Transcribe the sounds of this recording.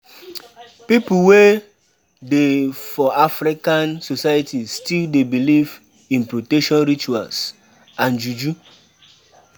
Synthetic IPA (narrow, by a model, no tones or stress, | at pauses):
pipuwe | defɔafɾikãnsosajatistildebiliv | ĩnpɾotɛʃɔ̃nɾit͡ʃua̰ls | ãnd͡ʒud͡ʒu